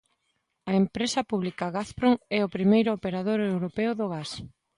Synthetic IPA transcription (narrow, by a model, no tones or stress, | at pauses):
ɐempɾesɐpuβlikɐɣaθpɾoŋɛʊpɾimejɾʊopeɾaðoɾewɾopeʊðʊɣas